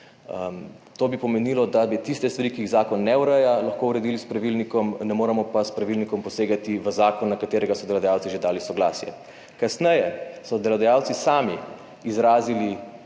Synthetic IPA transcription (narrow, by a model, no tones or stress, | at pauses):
t̪oːbipɔmɛniːlɔd̪abit̪ist̪ɛst̪ʋaɾikiːɣzaːkɔnːɛuɾɛjalaxkouɾɛd̪iːlispɾaʋilnikɔmnɛmoːɾɛmɔpaspɾaʋilnikɔmpɔseːɡat̪iʋəzaːkɔnːakat̪eːɾɛɡasɔd̪ɛlad̪ajawt̪siʒed̪aːlisɔɡlaːsjɛ̰ | kasnɛjɛsɔd̪ɛlad̪ajaːwt̪sisaːmi | izɾaːzili